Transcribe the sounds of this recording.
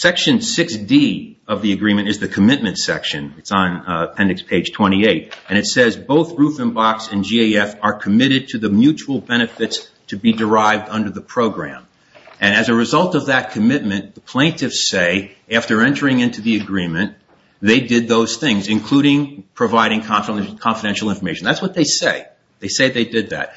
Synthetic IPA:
sɛkʃɨ̃nsɪksdi | ʌvðiɨɡɹĩmɨ̃ñɨzðɨkʰɨmɪt̚mɨ̃ntsɛ̰kʃɨ̃nɨtsn̩pʰɛ̃ndɨkspʰeɪd̥ʒ̥tʰw̥ɛ̃ɾ̃ieɪɾɨ̃ɾ̃ɨtsɛzboʊθɹufɨ̃nbɑksɨ̃nd͡ʒieɪɛfə˞kʰɨmɪɾɨd̚tʰɨðɨmjʉt͡ʃul̩ˠbɛɾ̃ɨfɨtstʰɨbidə˞aɪvdʌ̃ndə˞ðəpʰɹ̥oʊɡɹæ̰̃m | ʔɨ̃ñɨzɨɹɨzʌlˠtʌvðɨt̚kʰɨmɪt̚mɨ̃nðəpʰl̥ẽɪ̃ntʰɨfseɪ | æftə˞ɛ̃ntə˞ɪ̃ŋɪ̃ntʰʉðiɨɡɹĩmɨ̃n | ðeɪdɪd̪̚ðoʊz̥θɪ̃ŋzɨ̃nkʰl̥uɾɪ̃ŋpʰɹ̥ɨvaɪɾɪ̃ŋkʰɑfkʰɑ̃nfəɾɛ̃nʃl̩ˠɪ̃ɱfə˞meɪʃn̩ðætswʌt̪̚ðeɪseɪ | ðeɪseɪðeɪdɨd̪̚ðæ̰t̚

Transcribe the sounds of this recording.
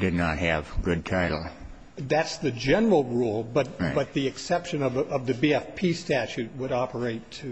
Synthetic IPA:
d̥ɨdⁿnət̚ɦɨvɡʊd̚tʰaɪɾl̩ˠ | ðætsðɨd͡ʒɛnə˞l̩ˠɹulˠbʌt̪̚b̥ʌt̪̚ðiɨksɛpʃɨ̃nʌvʌvðɨbiɛfpʰistæt͡ʃʉt̚wəɾɑpʰə˞eɪtʰɨ

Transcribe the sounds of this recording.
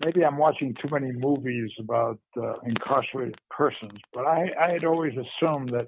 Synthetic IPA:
meɪbiãɪ̃mwɑt͡ʃɪ̃ŋtʰʉmɛñimuvizəbaʊɾɨ̃nkʰɑɹsə˞eɪɾɨd̚pʰɜ˞sə̃nzb̥ʌɾaɪaɪɨɾɔlˠwizɨsũmðɨt̚

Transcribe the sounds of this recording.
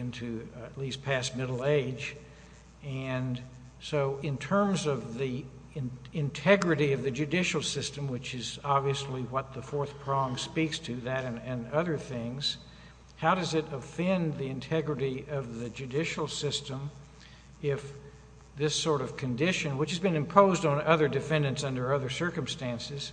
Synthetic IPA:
ɪ̃ntʰʉɨtˡlispʰæst̚mɪɾl̩ˠeɪd͡ʒ | ɨ̃n | soʊɪ̃ntʰɜ̃˞mzʌvðĩ | ɨ̃ntʰɛɡɹɨɾiʌvðɨd͡ʒɨdɪʃl̩ˠsɪstɨ̃mwɨt͡ʃɨzɑbviɨsliwʌt̪̚ðəfɔɹθpʰɹ̥ɔ̃ŋspikstʰɨðɨɾɨ̃nɨ̃nʌðə˞θɪ̃ŋz̥ | haʊɾʌzɨɾəfɛ̃nðiɨ̃ntʰɛɡɹɨɾiʌvðɨd͡ʒʉdɪʃl̩ˠsɪstə̃m | ɪf | ðɪsɔɹɾʌv̥kʰɨ̃ndɪʃɨ̃nwəɨt͡ʃhɨzbɨ̃nɨ̃mpʰoʊzdn̩ʌðə˞dɨfɛ̃ndɨ̃ntsʌ̃ndə˞ʌðə˞sɜ˞kɨ̃m̩stæ̃nsɨz̥

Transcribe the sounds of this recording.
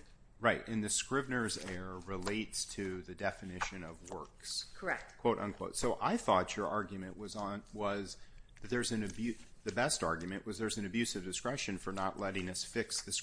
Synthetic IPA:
ɹaɪtʔɨ̃nðɨskɹɪvnə˞zɛɹɹɪleɪtstʰɨðɨdɛfɨnɪʃɨ̃nʌvwɜ˞kskʰəɛk̚kʰw̥oʊɾʔʌ̰̃nkʰw̥oʊtsoʊʔaɪθɔt͡ʃə˞ʔɑɹɡjɨmɨ̃nʔwʌzn̩wʌzðɨt̪̚ðə˞zɨ̃n̩ɨbjʉ | ðɨbɛstɑɹɡjmɨ̃nʔwʌzðə˞zn̩ɨbjʉsʌvdɨskɹɛʃɨ̃nfə˞nəʔˡlɛɾɪ̃ŋʌsfɪksðɨs

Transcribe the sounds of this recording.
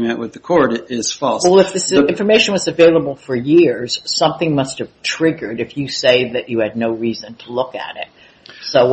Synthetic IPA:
mɨ̃nʔwɨðɨkʰɔɹɾɪz̥fɔlˠsɛlˠɨfðɪsɨɪ̃ɱɱfə˞meɪʃɨ̃nwʌzɨveɪlˠəbl̩ˠfə˞jɪɹz̥sʌ̃mθɪ̃ŋmʌst̚hɨv̥tʰɹ̥ɪɡə˞ɾɨfjɨseɪðɨt͡ʃɨɨdⁿnoʊɹizɨ̃ntʰəlʊkɨ̰ɾɪ̰t̚ | soʊ

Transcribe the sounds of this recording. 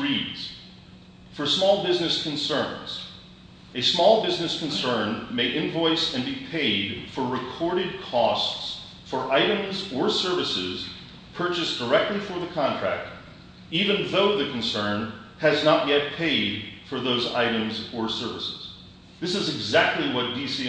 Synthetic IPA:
ɹidz̥ | fə˞smɔlˠbɪznɨskʰɨ̃n̩sɜ̃˞nz̥ | ɨsmɔlˠbɪznɨskʰn̩sɜ̃˞nmeɪʔɨ̃ɱvɔɪsɨ̃nbipʰeɪd̥fə˞ɹɨkʰɔɹɾɨd̚kʰɔsts | fə˞ʔaɪɾɨ̃mzə˞sɜ˞vɨsɪ̰z̥ | pʰɜ˞t͡ʃɨsd̥ə˞ɛk̚tˡlifə˞ðɨkʰɑ̃ntʰɹ̥æ̰k̚t | ivɨ̃nðoʊðɨkʰn̩sɜ̃˞n | ɨznəʔjɛt̚pʰeɪd̥fə˞ðoʊza̰ɪɾɨ̃mzə˞sɜ˞vɨsɪz̥ | ðɪsɨzɨɡzæk̚tˡliwʌt̚d̥isi

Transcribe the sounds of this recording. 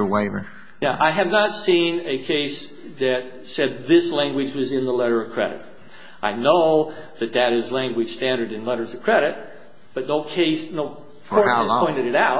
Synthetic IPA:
weɪvə˞ | jæʔaɪɨvnətsĩnɨkʰeɪs | ðɨt̪̚sɛd̪̚ðɪslæ̃ŋɡwɨd͡ʒwʌzɨ̃nðəlɛɾə˞ʌv̥kʰɹ̥ɛ̰ɾɨ̰ɾ̚ | ʔaɪnoʊðɨt̪̚ðɨɾɪzlæ̃ŋɡwɨd̥stæ̃ndə˞ɾɨ̃nlɛɾə˞zʌ̥kʰɹ̥ɛɾɨt̚ | b̥ʌtⁿnoʊkʰeɪsnoʊ | kʰɔɹʰɔ̃ɪ̃ñtɨɾɨɾaʊ

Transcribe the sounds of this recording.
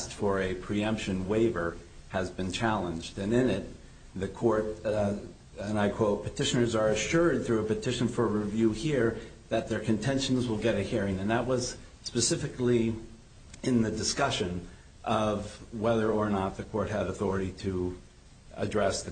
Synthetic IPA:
stfə˞ɨpʰɹ̥iʌ̃mpʃɨ̃nweɪvə˞ɨzbɨ̃nt͡ʃʰælˠə̃nd͡ʒdɨ̃nɪ̃nɪt̪̚ | ðɨkʰɔɹt | ɨ̃naɪkʰw̥oʊt̚pʰɨtʰɪʃɨ̃nə˞zə˞ɨʃʊɹd̪̚θɹʉəpɨtʰɪʃɨ̃nfə˞ɹivjʉhiɹ | ðɨt̪̚ðə˞kʰɨ̃ntʰɛ̃nʃn̩zwəlˠɡɛɾɨhiɹɪ̃ŋɨ̃nðət̚wʌz̥ | spɨsɪfɨkli | ɨ̃nðɨdɨskʌʃɨ̃n | ʔʌvwɛðə˞ə˞nət̪̚ðɨkʰɔɹt̚ɦɨɾɨθɔɹɨɾiɾɨ | ɨ̰dɹɛsðɨ

